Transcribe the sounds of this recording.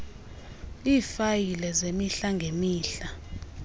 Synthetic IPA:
iːfajilɛzemiɬaŋɡʱemiːɬa

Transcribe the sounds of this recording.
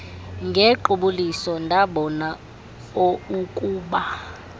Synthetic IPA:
ŋɡʱɛǃuɓulisɔndʱaɓɔna | oukʼuːɓa

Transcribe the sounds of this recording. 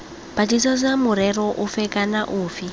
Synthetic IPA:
b̥at͡ʃisɔd͡zamʊɾɛɾɔʔufɛkʼanaʔuːfi

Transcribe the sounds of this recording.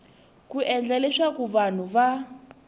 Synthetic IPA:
kuʔɛnd͡ɮɛlɛʂakuβan̤uβa

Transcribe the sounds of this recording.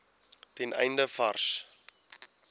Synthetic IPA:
tɛnʔɛ̰jndəfɐrs

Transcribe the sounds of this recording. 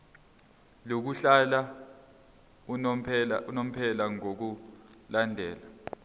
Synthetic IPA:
lok̬uɬala | upʰɛaunom̩pʰɛlaŋok̬ulandʱɛːla

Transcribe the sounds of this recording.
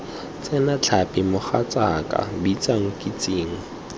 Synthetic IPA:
t͡sʼɛnat͡ɬʰapʼɪmʊχat͡sakʼa̰bit͡saŋ̩kʼit͡sʼiːŋ̩

